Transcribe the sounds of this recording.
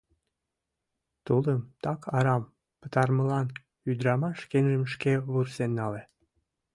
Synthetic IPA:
t̪uləmt̪ɑkʰɑɾɑm | pə̥t̪ɑrməlɑn | yd̪ɾɑmɑʃkenʒəmʃkeβursenːɑle

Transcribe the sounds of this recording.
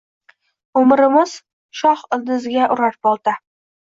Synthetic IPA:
ʊmɾɪmɪz̥ | ʃɒhɪlˠd̪ɪzɪɡʲaʔʊɾaɾbɒlˠd̪ɪ

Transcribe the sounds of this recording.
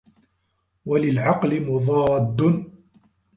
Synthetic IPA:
walɪlʕɑqlɪmʊðˤɑːd̪ːʊn

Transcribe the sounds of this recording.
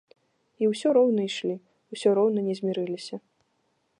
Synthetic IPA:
iwsʲɔɾɔwnɐiʂlʲi | wsʲɔɾɔwnɐnʲɛzʲmʲiɾɨlʲisʲɐ

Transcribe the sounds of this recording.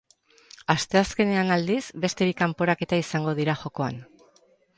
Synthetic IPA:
ast̪e̞aske̞ne̞anald̪isbe̞st̪e̞βikampo̞ɾake̞t̪aisaŋɡo̞ð̞iɾaxo̞ko̞a̰n

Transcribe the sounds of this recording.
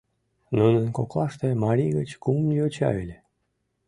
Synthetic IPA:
nunənkoklɑʃt̪emɑɾʲiɣət͡ɕkumliot͡ɕɑ̰ylʲe

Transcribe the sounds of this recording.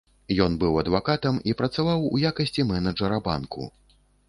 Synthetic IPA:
jɔnbɨwɐd̪vakat̪ɐmipɾɐt̪savawujakɐsʲt͡sʲimɛnɐʐɐɾɐba̰nkṵ

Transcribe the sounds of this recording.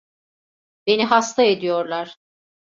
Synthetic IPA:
be̞niɦast̪ʰaed̪ijo̞ɾlˠaɾ̥

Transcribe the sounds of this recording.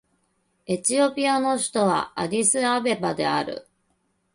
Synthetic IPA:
e̞t͡ɕio̞pʲiano̞ɕi̥t̪o̞βa̰aɾʲisɨabe̞bad̪e̞aɾɯ̟̰

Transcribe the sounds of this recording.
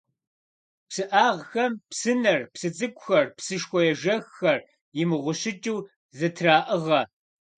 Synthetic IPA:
psɨʔaːʁxɐmpsɨnɐrpsɨt͡sʼɨkʷʼʊxɐrpsɨʃxʷɔjɛʒɐxːɐr | jɪmɨʁʷʊɕɪt͡ʃʼuw | zɐtʰraːʔəʁɐ

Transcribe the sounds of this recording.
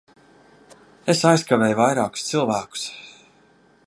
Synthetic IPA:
esajskavɛjvajɾɑːku̥st̪sɨlˠvæːku̥s

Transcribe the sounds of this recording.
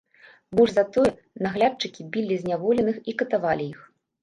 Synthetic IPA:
bɔʐzat̪ɔjɛ | naɣlʲat͡ʂɨkʲibʲilʲizʲnʲavɔlʲɛnɨxikɐt̪avalʲijix

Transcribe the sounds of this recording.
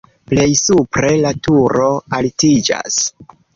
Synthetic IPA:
ple̞jsupɾe̞latuɾoaltid͡ʒa̰s

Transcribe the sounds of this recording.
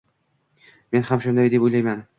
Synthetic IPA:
me̞nhamʃʊnd̪ajd̪epojlajman

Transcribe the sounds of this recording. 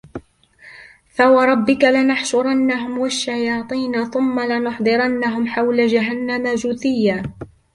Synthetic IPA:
fawɑɾˤɑbːɪkalɪnɑħʃʊɾˤɑnːaɦʊmwaʃːajɑːt̪ˤiːnaθʊmːalɪnʊħd̪ˤɨɾanːaɦʊmħawlad͡ʒaɦanːamad͡ʒʊθɪjːaː

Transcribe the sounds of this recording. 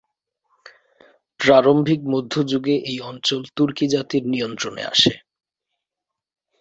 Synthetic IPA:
pɾaɾombʱik̚mod̪ʱːod͡ʑuɡeʔejɔnt͡ɕolt̪uɾkid͡ʑat̪iɾnijont̪ɾonḛa̰ʃe

